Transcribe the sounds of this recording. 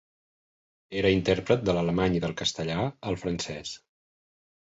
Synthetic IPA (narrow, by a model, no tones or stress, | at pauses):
eɾəint̪ɛɾpɾət̪̚d̪ələləmaɲiðəlˠkəst̪əʎaəlˠfɾənsɛs